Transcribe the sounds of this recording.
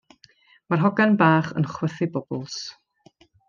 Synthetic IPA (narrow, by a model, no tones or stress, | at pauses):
marɦɔɡanbaːχə̰nχwəθɪbɔbɔlˠs